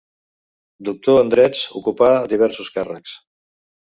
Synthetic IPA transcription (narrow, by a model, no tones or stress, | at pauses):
d̪uk̚t̪oənd̪ɾɛt͡sṵkupaðiβ̞ɛɾsuskarəks